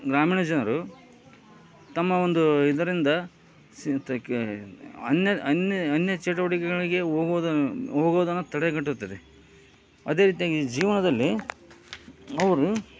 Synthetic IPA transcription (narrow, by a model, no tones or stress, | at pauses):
ɡɾaːmiːɳɐd͡ʒɐnɐɾu | t̪ɐmːɐond̪uid̪ɐɾind̪ɐ | st̪ | ɐ̰njɐɐneɐnːjɐt͡ʃɛʈ̬ɐʋɐʈikɛɡɐɭiɡe̞oːɡd̪ɦoːɡoːd̪ɐnːut̪ɐɽɛɡɐʈːut̪ːɐd̪e | ɐd̪e̞ɾiːt̪̬ijaːɡid͡ʒiːʋɐnɐd̪ɐlːi | ɐʋɐɾu